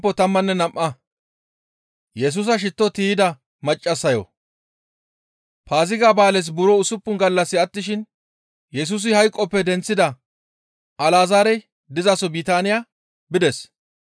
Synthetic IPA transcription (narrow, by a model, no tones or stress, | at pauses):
pːɔt̪ɐmːɐnːɛnɐmʔːɐ | jɛs̬uːs̬ɐʃɪt̪ːɔt̪iːɪd̪ɐ | mɐt͡ʃʼːɐsːɐjɔ̰ | paːzɪɡaːbaːlɛs̬bʊɾɔʊsʊpːʊnɡɐlːɐsːɪɐt̪ːɪʃɪn | jɛs̬uːs̬ɪhɐjkʼːɔpːɛd̪ɛnt͡sːɪd̪ɐ | ɐlaːzaːɾɛj | d̪ɪzasɔbiːt̪aːnɪjaː | bɪd̪ɛs